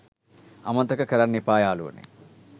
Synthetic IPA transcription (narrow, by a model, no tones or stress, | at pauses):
ɐmɐnt̪ɐkɐkɐɾɐnːipaːjaːlṵːɐnḭ